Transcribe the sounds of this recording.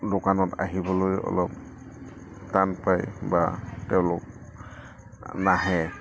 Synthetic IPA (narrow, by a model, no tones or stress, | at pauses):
dokanɔta̰ɦibɔlojɔ̰lɔp̚ | tanpajbatɛʊ̃lʊk̚ | naɦɛ